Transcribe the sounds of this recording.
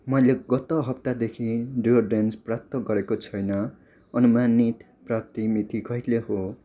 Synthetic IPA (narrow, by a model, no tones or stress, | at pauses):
mʌjleɡʌt̪oɦʌpt̪ad̪ekʰiɖoɖensprap̚t̪ʌɡʌɾekot͡sʰʌjnʌ | ʌnumanit̪ | prap̚t̪imit̪ikʰʌjt̪leɦo